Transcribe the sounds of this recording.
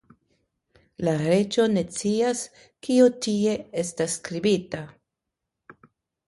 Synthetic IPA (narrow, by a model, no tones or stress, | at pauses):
laɾe̞t͡ʃo̞ne̞t͡sias | kiotie̞e̞stasːkɾibita